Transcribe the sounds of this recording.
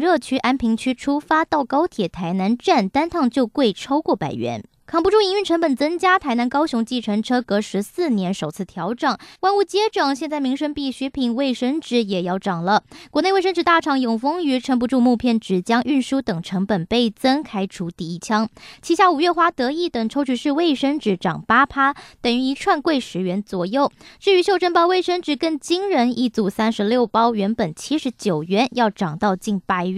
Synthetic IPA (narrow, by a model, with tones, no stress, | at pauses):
ɻɤ˥˧t͡ɕʰy˥ʔa˥npʰi˧˥ŋt͡ɕʰy˥ʈ͡ʂʰu˥fa˥t̪ɑ˥˩ʊkɑ˥ʊt̪ʰjɛ˨˩t̪ʰa˧˥ɪna˧˥nʈ͡ʂa˥˩nt̪a˥nt̪ʰɑ˥˧ŋt͡ɕjo˥˧ʊkwe˥˩ɪʈ͡ʂʰɑ˥ʊkwɔ˥˩pa̰˨˩ɪɥɛ̰˧˥n | kʰɑ˨˩ŋpu˧˥ʈ͡ʂu˥˩i˧˥ŋy˥˧nʈ͡ʂʰɤ˧˥ŋpə˨˩nt͡sə˥ŋt͡ɕja˥t̪ʰa˧˥ɪna˧˥nkɑ˥ʊɕʊ˧˥ŋt͡ɕi˥˩ʈ͡ʂʰɤ˧˥ŋʈ͡ʂʰɤ˥kɤ˧˥ʂɻ̩˧˥sɹ̩˥˩njɛ˧˥nʂo˨˩ʊt͡sʰɹ̩˥˩t̪ʰjɑ˧˥ʊʈ͡ʂɑ˨˩ŋwa˥˧nu˥˩t͡ɕjɛ˥ʈ͡ʂɑ˨˩ŋɕ̬jɛ˥˧nt͡sa˥˩ɪmi˧˥ŋʂə˥npi˥˩ɕɛ˧˥pʰi˧˩ŋwe˥˩ɪʂə˥ŋʈ͡ʂɻ̩˥˩jɛ˨˩jɑ˥˩ʊʈ͡ʂɑ˨˩ŋlə˦kwɔ˧˥ne˥˧we˥˧ʂə˥nʈ͡ʂɻ̩˧˥t̪a˥˩ʈ͡ʂʰɑ˨˩ŋjʊ˨˩ŋfɤ˥ŋy˧˥ʈ͡ʂʰə˧˥np̬u˧ʈ͡ʂu˥˧mu˥˧pʰjɛ˥˩nʈ͡ʂɻ̩˨˩t͡ɕjɑ˥ŋʔy˥˩nʂu˥t̪ɤ˨˩ŋʈ͡ʂʰɤ˧˥ŋpə˨˩npe˥˩ɪt͡sə˥nkʰa˥ɪʈ͡ʂʰu˧˥t̪i˧i˥˩t͡ɕʰjɑ˥ŋt͡ɕʰi˧˥ɕja˥˩u˨˩ɥɛ˥˩˧xwa˥t̪ɤ˧˥i˥˩t̪ə˨˩ŋʈ͡ʂʰo˥t͡ɕʰy˧˥ʂɻ̩˥˧we˥˩ɪʂə˥ŋʈ͡ʂɻ̩˧˥˩ʈ͡ʂɑ̰˨˩ŋpa˥pʰa˥t̪ə˨˩ŋy˧˥i˧˥ʈ͡ʂʰwa˥˧nkwe˥˩ɪʂɻ̩˧˥ɥɛ˧˥nt͡swɔ˨˩jo˥˩ʊʈ͡ʂɻ̩˥˩y˧˥ɕjo˥˧ʊʈ͡ʂə˥˧npɑ˥˧ʊwe˥˩ɪʂə˥nʈ͡ʂɻ̩˧˩kə˥˩ŋt͡ɕi˥ŋɻə˧˥ni˥˧t͡su˨˩sæ˥nʂɻ̩˧˥ljo˥˩ʊpɑ˥ʊɥɛ˧˥npə˨˩nt͡ɕʰi˥ʂɻ̩˧˥t͡ɕjo˨˩ʊɥɛ˧˥njɑ˥˩ʊʈ͡ʂɑ˨˩ŋt̪ɑ˥˧ʊt͡ɕi˥˩npa˥ɪ˥